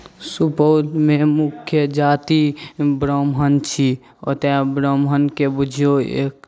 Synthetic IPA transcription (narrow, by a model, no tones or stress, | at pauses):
supəʊlmemukʰjəd͡ʒat̪ibɾəmɦənt͡ʃʰi | o̰t̪abɾəmɦənkebud͡ʒʱioḛk̚